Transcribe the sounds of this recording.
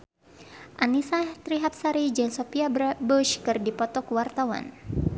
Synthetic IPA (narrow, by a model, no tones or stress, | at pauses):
ʔanisat̪ɾiɦap̚saɾid͡ʒənsopiabbɔʃkɨrdipɔt̪ɔkwart̪awa̰n